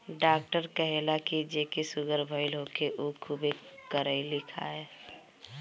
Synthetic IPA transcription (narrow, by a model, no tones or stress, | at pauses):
ɖaːk̚ʈəɾkəɦelakid͡ʒekesʊɡəɾbʱəɪlɦokeʔukʰubekəɾəɪlɪkʰa̰e